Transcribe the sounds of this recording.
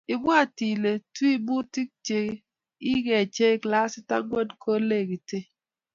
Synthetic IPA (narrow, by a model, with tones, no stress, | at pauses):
ɪ˨mwa˦˨ti˨le˨twi˦bu˦ti˦k̚t͡ʃe˨˦ | i˦ɡɛ˨t͡ʃe˦ɪ˦kla˦sɪ˦ta̰˦ɡwɛ˦dkʰo˦le˦˨ɡi˨te˦